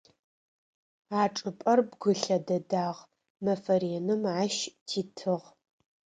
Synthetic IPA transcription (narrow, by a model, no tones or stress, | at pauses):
aːʈ͡ʂʼɨpʼɐrbɡʷʊɬɐdɐdaːʁ | mɐfɐɾienɨmaːʃtʰiːtʰɨʁ